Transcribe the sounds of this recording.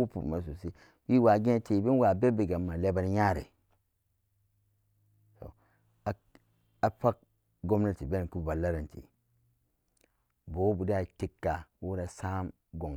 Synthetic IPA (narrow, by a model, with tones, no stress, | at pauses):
u˦pṵ˨ma˨s̬u˨si˦ | wi˦wa˨ɡẽ˦ti˨bi˦n˦wa˨be˦bi˨ɡa˨mːa˨le˦ba˨n˦ɲa˦ɾḛ˨ | so̰˨ | a˨˦ | a˨pa˦k̚ | ɡo˦mna˦˨ti˨be˦n˨ku˦˨ba˨lːa˦ɾa˨ntḭ˨ | bo˨˦bu˨di˦a˨ti˦kːa˨wu˦ɾa˨sa˦m | ɡo˨ŋ